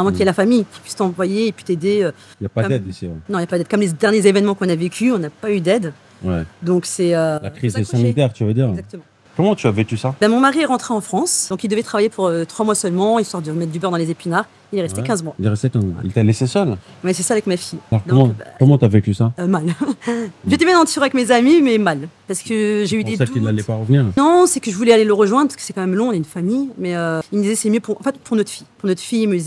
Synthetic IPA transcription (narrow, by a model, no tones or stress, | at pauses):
ʁɛmɑ̃kiɛlafamijkʲi̥pɥi̥st̪ɑ̃pwajeːpɥi̥t̪ed̪eø | iljapadmɛd̪isiɛ̰nɔ̃iljapad̪ɛd̪̚kɔmled̪ɛʁnjezevɛnmɑ̃kɔ̃navekʲʰyɔ̃napayd̪ɛd̪ | wɛd̪ɔ̃ksɛølakχizsanit̪ɛʁt̪yvad̪iːʁzak̚t̪əmɑ̃ | kɔmɑ̃t̪yavekʲysabɛ̃mɔ̃maʁiɛʁɑ̃t̪χeɑ̃fχɑ̃sd̪ɔ̃kild̪əvɛt̪χavajepʰuʁøt̪χwamwasœlmɑ̃ilsɔʁd̪əmɛt̪̚d̪ybœʁd̪ɑ̃lezepinaʁ | ilɛʁɛst̪ekʲɛ̃zmwad̪eʁɛst̪ɛt̪ɛ̃ḭlt̪alesesœl | wɛsɛsaːvɛkmafijalɔʁd̪ɔ̃mɑ̃kɔmɑ̃t̪yavekʲysamal | ʒet̪ɛbjɛ̃nɑ̃t̪yʁavɛkmezamimɛmalpaʁsə̥kəʒeyd̪esialɛpaʁəvniːʁnɔ̃sɛkəʒəvulɛaleləʁəʒwɛ̃d̪ʁpḁskə̥sɛkɑ̃mɛmlɔ̃ɔ̃naynfamijmɛøilmd̪izɛsɛmjøpuʁɑ̰̃fɛt̪pʰuʁnɔt̪χfijpuʁnɔt̪χfijiməd̪izɛ